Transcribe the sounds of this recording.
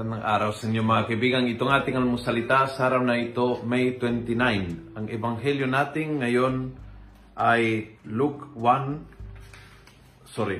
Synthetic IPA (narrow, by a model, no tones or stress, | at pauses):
nɐŋʔa̰ːɾawsɪnjoŋmɐŋakaɪbiːɡaŋɪt̪oŋaːt̪ɪŋalmʊsɐlɪt̪asaːɾawnaʔɪt̪omɛjt̪wɛnt̪ɪnajnʔɐŋʔɛbaŋɦɛljonaːt̪ɪŋːɐjon | ʔajlukwan | soɾɪ